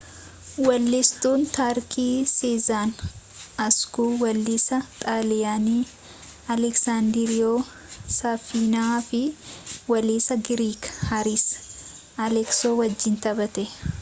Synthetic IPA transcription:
wɐlːɪst̪uːnt̪aːɾkiːsiːzaːnɐskuːwɐlːɪsɐt̪ʼaːlɪjaːniː | ɐlɛksaːnd̪ɪɾɪjoː | sɐfiːnaːfɪwɐliːsɐɡɪɾiːkhɐɾiːs | ɐlɛksoːwɐd͡ʒːɪnt̪ɐbɐt̪ɛ

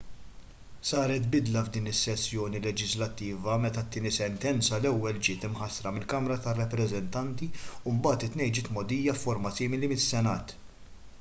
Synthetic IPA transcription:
sɐːɾɛt̪bɪd̪lɐvd̪iːnɪsːɛsːjɔːnilɛd͡ʒɪzlɐt̪ːiːvɐmɛt̪ɐt̪ːiːnisɛnt̪ɛnt͡sɐlɛwːɛld͡ʒɪːt̪ɪmħɐsɾɐmɪlkɐmɾɐt̪ɐrːɐpːɾɛzɛnt̪ɐnt̪iumbɐːt̪ɪt̪ːnɛjd͡ʒɪːt̪mɔd̪iːjːɐfːɔɾmɐsiːmɪlimɪsːɛnɐːt̪

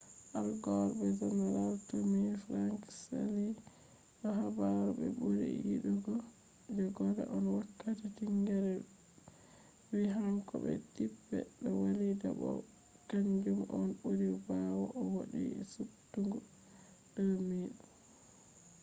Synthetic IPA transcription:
ʔalɡɔɾbɛd͡ʒɔnaɾaltumifɾaŋksa̰li | nɔɦabaɾɔbɛ̰buɾḭjḭɗuɡɔ | d͡ʒɔɡɔda̰ʔɔnwakːatatiŋɡɛɾɛ | wiɦaŋkɔbɛ̰tibːɛ̰ɗɔwalida̰bɔ̰ | kaɲd͡ʒumɔnbuɾibawɔʔɔwaɗḭɛsutːuŋɡɔ | ɗɔmiɗu

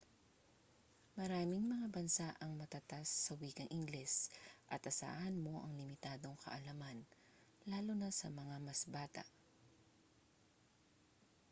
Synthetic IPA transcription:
mɐɾaːmɪŋmɐŋabɐnsaʔɐŋmɐt̪ɐt̪asːɐwiːɡɐŋʔɪŋɡlɛsʔɐt̪ʔɐsa̰ːʔɐnmo̞ʔɐŋlɪmɪt̪aːd̪o̞ŋkʰɐ̰ʔɐlɐman | laːlonɐsɐmɐŋamɐsbaːt̪ɐ̰ʔ

